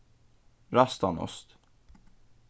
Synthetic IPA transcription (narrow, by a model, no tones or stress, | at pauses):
ɾɑst̪anɔ̰st̪